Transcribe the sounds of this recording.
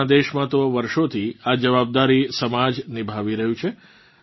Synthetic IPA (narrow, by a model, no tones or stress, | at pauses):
ad̪eʃmãt̪oʋəɾʃot̪ʰiad͡ʒəʋab̚d̪aɾisəmad͡ʒnibʱaʋiɾəɦjũt͡ʃʰe